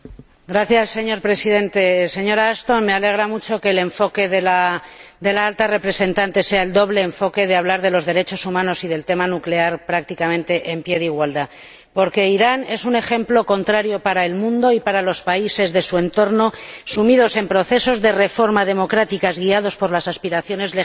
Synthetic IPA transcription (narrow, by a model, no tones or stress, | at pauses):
ɡɾaθjasːe̞ɲo̞ɾpɾe̞siðẽ̞nt̪e̞se̞ɲo̞ɾaːst̪o̞nme̞ale̞ɣ̞ɾamut͡ʃo̞ke̞ːle̞ɱfo̞ke̞ðelad̪e̞laalt̪are̞pɾe̞se̞nt̪ant̪e̞se̞aeld̪o̞βle̞ːɱfo̞ke̞ðeaβlaɾð̞e̞lo̞zðe̞ɾe̞t͡ʃo̞sumãno̞sið̞e̞lt̪e̞manukle̞aɾpɾak̚t̪ikamẽ̞nt̪e̞ʔempje̞ðeiɣwald̪a | po̞ɾke̞iɾane̞sune̞xe̞mplo̞ko̞nt̪ɾaɾjo̞paɾae̞lmũnd̪o̞ipaɾalo̞spaise̞zðe̞sue̞nt̪o̞ɾno̞sumiðo̞se̞mpɾo̞θe̞so̞zðe̞re̞fo̞ɾmað̞e̞mo̞kɾat̪ikazɣiað̞o̞spo̞ɾlasaspiɾaθjo̞ne̞zle